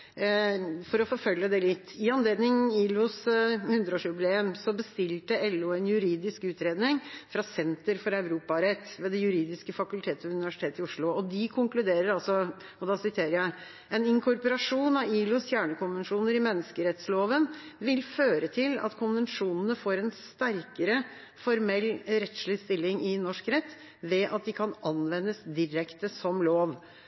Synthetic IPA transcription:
fɔɾɔfɔɾfœljəd̪ɛlɪt̪ːɪɑnleːd̪nɪŋiːlʊshʉnd̪ɾəoːʂʉbleːmsɔbəst̪ɪlt̪əɛlːʊɛnjʉɾiːd̪ɪskʉːt̪ɾeːd̪nɪŋfɾɑsɛnt̪əɾfɔɾæʉɾuːpɑɾɛt̪ːʋeːd̪ɛjʉɾiːd̪ɪskəfɑkʉlt̪ʰeːt̪əʉnɪʋæʂɪ̥t̪eːt̪ɪʊʂɭʊɔd̪ɪkʰʊŋklʉd̪eːɾəɾɑlsɔ | ɔd̪ɑsɪt̪ʰeːɾəɾjæɪ | ɛnɪŋkʰʊɾpɔɾɑʂuːnɑʋiːlʊsjæːɳəkʊnʋənʂuːnəɾɪmɛnːəskəɾɛt̪sloːʋənʋɪlføːɾət̪ʰɪlɑ̰t̪kʰʊnʋənʂuːnənəfoːɾɛnst̪æɾkəɾə | fɔɾmɛlːɾɛt̪ʂɭɪst̪ɪlːɪŋɪnɔʂkɾɛt̪ː | ʋɛʔɑt̪̚d̪ɪkʰɑnɑnʋɛnːəsd̪ɪɾɛkt̪əsɔmloːʋ

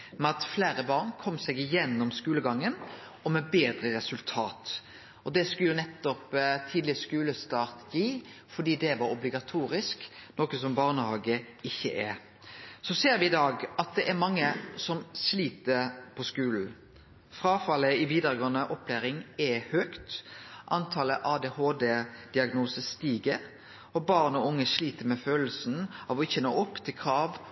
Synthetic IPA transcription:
mɛɑt̪fleːɾəbɑːʁnkʰɔmsɛɡɪjɛnːɔmskʉːləɡɑŋːən | ɔmɛbeːd̪ɾəɾɛsʉlt̪ʰɑːt̪ | ʔɔd̪ɛskʉljʊnɛt̪ːɔpt̪ʰiːd̪lɪskʉːləst̪ɑːʁt̪jiː | fɔd̪iːd̪ɛʋɑɾɔblɪɡɑt̪ʰuːɾɪsknɔːkəs̬ɔmbɑːʁnəhɑːɡə | ɪçːə̰ʔɛ | sɔseːɾʋɪɪd̪ɑːɡʔɑt̪̚d̪ɛʔæɾmɑŋːəsɔmsliːt̪əpʰɔskʉːln̩ | fʁɑːfɑləɪʋiːd̪əɾəɡɔnəʔɔpʰːlæːɾɪŋɛhøːkt̪ʔɑnt̪ʰɑːləʔɑːd̪ehoːd̪ed̪̥ɪɑɡnuːsəst̪iːɡəʁ | ɔbɑːʁnɔʊŋːəsliːt̪əmɛføːll̩sn̩ɑʋɔɪçɛnːoːɔpːt̪ʰɪlkʰʁɑːʋ

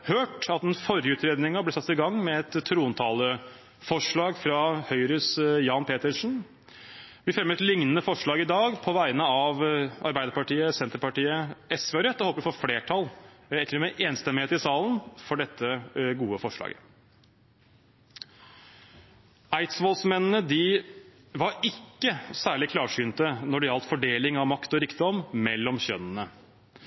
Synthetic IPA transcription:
høːʈɑt̪̚d̪ɛnfɔɾjəʉːt̪ɾeːd̪nɪŋɑblɛsɑt̪ːɪɡɑŋːmɛɛt̪ʰːɾuːnt̪ʰɑːlə | fɔʂɭɑːɡfɾɑhœʏɾʉsjɑːnpʰeːt̪əʂɳn̩ | ʋɪfɾɛmət̪lɪŋnənəfɔʂɭɑːɡɪd̪ɑːɡpʰɔʋæɪnəɑʋɑ̰ɾbæɪd̪əɾpɑʈiːəsɛnt̪əɾpɑʈiːəɛsʋeɑɾɛt̪ːəoːpəɾɪfoːɾfleːʈʰɑlɛt̪ːəɖɛmɛʔeːnst̪ɛmːɪheːt̪ɪsɑːlənfɔɖɛt̪ʰːəɡuːəfɔʂɭɑ̰ːɡə | æɪt̪sʋoːlsmɛnnəd̪ɪ | ʋɑɾɪkːəsæːɭɪkʰlɑːʂyːnt̪ənɔɖɛɑlt̪fɔɖeːlɪŋɑʋmɑkt̪ɔɾɪkd̪ɔmmɛlːɔmɕœnnə

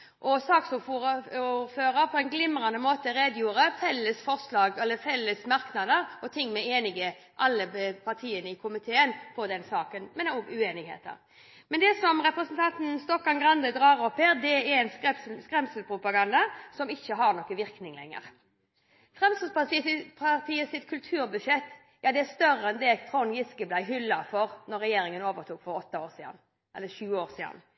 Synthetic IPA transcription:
ʔɔsɑːksʊfuuføːɾəpʰɔɛnɡlɪmɾɑnd̪əmoːt̪əɾeːd̪juːɾəfɛlːəsfɔʁslɑːɡɛlːəfɛlːəsmɑɾknɑd̪əɾɔt̪ʰɪŋːmɛeːnɪɡə | ʔɑlːəpʰɑʁt̪ʰiːənəɪkʰʊmɪt̪ʰeːənpʰɔd̪ɛnsɑːkənmɛnɔɡʉeːnɪɡhḛːt̪ə̰ʁ | mɛnd̪ɛsɔmʁɛpɾəsənt̪ʰɑnt̪n̩st̪ɔkːɑnɡɾɑnd̪əd̪ɾɑːʁɔpːheːɾd̪ɛɛɾɛnskɾɛmsəlpʰɾʊpɑɡɑnd̪ɑsɔmɪçːəɦɑnɔkːəʋɪɾknɪŋlɛ̰ŋːə̰ɾ | fʁɛmsəlpɑt̪iːɪpʰɑɾt̪ʰiːəsɪt̪kʰʉlt̪ʰʉːɾbʉʂɛt̪ː | jɑːd̪ɛæst̪œɾəɛnd̪ɛt̪ʰɾɔnjɪskəblæɪɦʏlːɑfɔɾnɔɾɛjeːɾɪŋənoːʋəɾt̪ʰuːkfɔɾɔt̪ːɑoːɾsiːɑ̰n | ʔɛ̰lːəʃʉːəoːɾsiːd̪ɑ̰n

